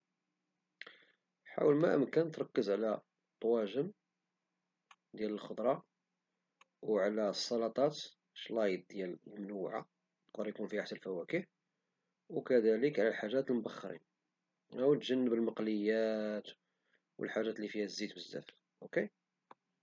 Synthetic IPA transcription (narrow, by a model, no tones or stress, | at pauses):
ħa̰wəlmæʔəmkænt̪ɾˤɑkːəzʕlæ | t̪ˤːwæʒəm | d̪jæləlxod̪ɾˤɑ | wʕlæsˤːɑlɑt̪ˤɑt̪ | ʃlɑjəd̪̚d̪jællmnuʕa̰ | nəq̚d̪əɾjkunfihaħsælfæwækiħ | wkæd̪æləkʕlælħaʒːæt̪əlmʊbɑxːɾḭn | əwt̪ʒənːəbəlməqləjːæt̪ | wə̰lħaʒːæt̪lifihæzːit̪bəzːæ̰f | ʔʊke